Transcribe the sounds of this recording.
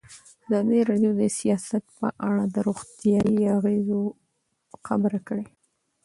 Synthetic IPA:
azɑd̪əɾɑɖjod̪əsijɑsat̪̚pə̰ʔaɽad̪əɾoɣt̪jɑjiaɣezo | xa̰bəɾakəɽe

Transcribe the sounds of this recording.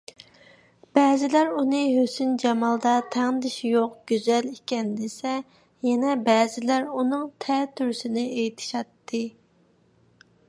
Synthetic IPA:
b̥ɛːzɪlæɾunɨɦøsynd͡ʒɑmɑlˠd̪ɑt̪ʰæŋnɨd̪ɪʃijoqɡ̥ʲyzɛlikʲɛnd̪esɛ | jɛnɛbɛːzɪlæɾunɨŋt̪ʰɛt̪ʰyɾsɪnɪejt̪ʰɪ̥ʃɑt̪ːɨ

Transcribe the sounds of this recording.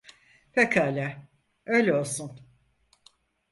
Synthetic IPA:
fekʰalʲɛ | ø̞jlʲɛo̞lˠsun

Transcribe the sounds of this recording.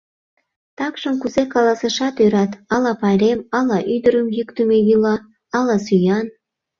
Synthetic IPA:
t̪ɑkʃəmkuzekɑlɑsə̆ʃɑt̪øɾɑt̪ɑlɑpɑlʲemɑlɑʔyd̪əɾəmjykt̪əmeβilɑ | ɑlɑsyjɑn

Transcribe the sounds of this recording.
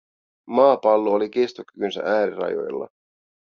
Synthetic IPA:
mɑːpɑlːoolikest̪okykynsæ̰ʔæːɾirɑ̰jo̞̰jlːɑ̰

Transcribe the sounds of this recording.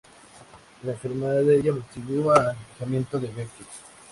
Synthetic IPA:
laeɱfeɾmeðaðeeʝamot̪iβualfixamje̞nt̪oðeβet̪is

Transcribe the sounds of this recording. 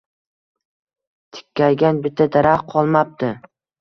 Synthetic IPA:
t̪ʰɪ̥kʲʰːajɡʲanbɪt̪ʰːad̪aɾaχqʰɒlˠmap̚t̪ɪ

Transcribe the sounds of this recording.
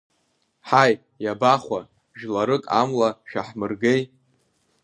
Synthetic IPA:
ħaj | jabaχʷa | ʒᶣlaɾɨkʼamlaʃᶣaħmɨrɡej

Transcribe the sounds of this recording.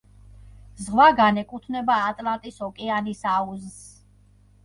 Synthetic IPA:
zʁwaɡanɛkʼut̪ʰvnɛbaːt̪ʼlˠant̪ʼisɔkʼɛanisauzs

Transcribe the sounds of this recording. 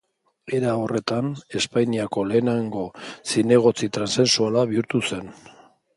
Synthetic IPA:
eɾao̞re̞t̪ane̞spajniako̞le̞ːnaŋɡo̞sine̞ɣ̞o̞t͡sit̪ɾanse̞nsualaβiuɾt̪use̞n

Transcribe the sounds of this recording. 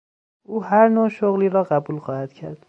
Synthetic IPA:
ʔuːhæɾnoʃoɣliːɾɒːɢæbuːlxɒːhæd̪̥cʰæɾd̪̥

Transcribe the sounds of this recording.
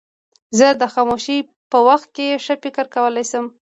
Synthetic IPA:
zəd̪əxɑmoʃi | pəwaxt̪̚keʂəfɪkəɾkawəlajsəm

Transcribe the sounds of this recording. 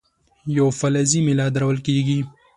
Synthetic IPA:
jofɐlɐzimelaːd̪ɐɾɐwəlkiːɡi

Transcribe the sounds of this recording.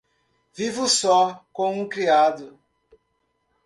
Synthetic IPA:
vivʊsɔkõw̃ũkɾiad̪ʊ

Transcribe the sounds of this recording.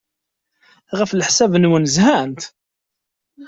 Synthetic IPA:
ʁəflħsævnwənzhænt̪

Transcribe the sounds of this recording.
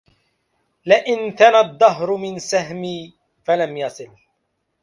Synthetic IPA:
lɪʔɪnt̪anad̪ˤːɑɦɾʊmɪnsaɦmiː | falamjɑsˤɨl

